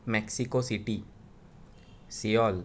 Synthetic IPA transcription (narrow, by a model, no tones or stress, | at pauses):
mɛksikosiʈi | siɔl